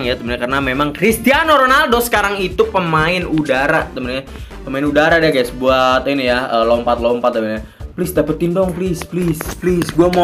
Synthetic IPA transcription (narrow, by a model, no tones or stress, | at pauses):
ŋjat̪əmbənɲakarənamemaŋkɾist̪ianoɾonaldɔsə̥kaɾaŋit̪upəmaɪnudaɾat̪əmbənɲa | pəmaɪnudaɾadɛkajaʔsəbuat̪inijaəːlɔmpat̪̚lɔmpat̪̚ːəbəɲa | plɪsdapət̪ːindɔŋplɪsplisplisɡuamo